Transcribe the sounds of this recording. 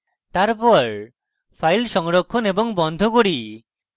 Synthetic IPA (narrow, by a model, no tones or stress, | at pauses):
t̪aɾpɔɾ | pʰajlʃɔŋɾokʰːonebɔŋbɔnd̪ʱokoɽi